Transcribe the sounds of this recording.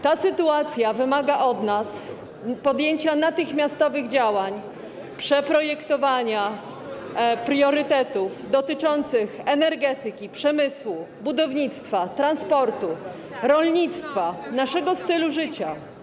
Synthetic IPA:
t̪asɘt̪uat̪sʲjavɘmaɡaʔɔd̪nas | pɔd̪jeɲt͡ɕanat̪ɘxmʲjast̪ɔvɘɣd͡ʑawaɲ | pʂɛpɾɔjɛkt̪ɔvaɲa | pɾjɔɾɘt̪ɛt̪ufd̪ɔt̪ɘt͡ʂɔnt̪sɘxɛnɛɾɡɛt̪ɘkʲipʂɛmɘswubud̪ɔvɲit̪st̪fat̪ɾanspɔɾt̪u | ɾɔlɲit̪st̪fanaʂɛɡɔst̪ɘluʐɘt͡ɕa

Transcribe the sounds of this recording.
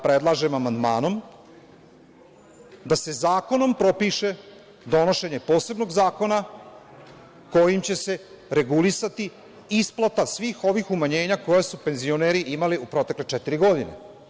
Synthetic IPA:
pɾed̪lˠaʒe̞mamand̪maːno̞m | d̪ase̞zaːko̞no̞mpɾo̞piʃe̞ | d̪o̞no̞ʃe̞ɲepo̞ːse̞bno̞ɡzaːko̞na | ko̞jimt͡ɕe̞se̞ | ɾe̞ɡulisat̪i | isplˠat̪asʋiːxo̞ʋixumaɲe̞ːɲako̞jesupe̞nzio̞neːɾiʔimaliupɾo̞t̪e̞kle̞t͡ʃɛt̪iɾiɡo̞d̪inḛ

